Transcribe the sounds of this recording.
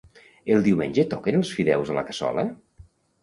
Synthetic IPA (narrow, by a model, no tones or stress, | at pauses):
elˠd̪iwmenʲd͡ʒet̪ɔkenəlˠsfiðɛwzələ̰kəsɔ̰lə̰